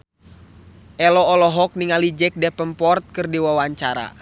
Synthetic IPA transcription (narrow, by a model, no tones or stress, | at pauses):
ʔɛlɔːlɔɦɔk̚niŋalid͡ʒɛk̚dɛpəmpɔrt̪̚kɨrdiwawaɲt͡ʃaɾa̰